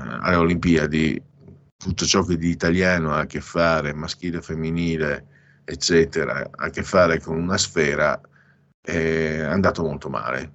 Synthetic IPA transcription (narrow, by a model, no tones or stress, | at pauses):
a̰leolimpiad̪ḭ | t̪ut̪ːot͡ʃɔk̟ːed̪iːt̪aljaːnoak̟ːefːaːɾemask̟iːlefemːiniːleː | t͡ʃːɛːt̪eɾa̰a̰kːefːaːɾekonunasfɛːɾa̰ | ɛand̪aːt̪omolt̪oma̰ːlḛ